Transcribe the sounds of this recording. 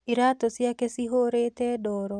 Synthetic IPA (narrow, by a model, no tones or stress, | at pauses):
iɾatosjakesiɦoɾetɛːdɔːɾɔ